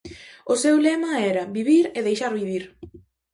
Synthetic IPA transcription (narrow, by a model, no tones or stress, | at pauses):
ʊsewlɛmɐɛɾɐbiβiɾɪðejʃaɾβiβiɾ